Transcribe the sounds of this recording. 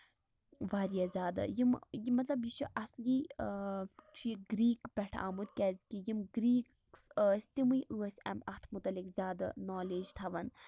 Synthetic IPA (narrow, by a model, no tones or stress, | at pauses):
ʋaːɾijɐzʲaːd̪ɨ̰jimjmɐt̪lɐbjit͡ʃʰuʔɐsliː | t͡ʃʰiiɡɾiːkpʲɛʈʰa̰ːmud̪̚kʲɛzkijimɡɾiːk | səːsʲt̪imɨjʔɨːɐsʲɛ̰mɐxt̪ʰmut̪ɐlikzʲaːd̪ɨ̰noːleːd͡ʒt̪ʰɐʋɐn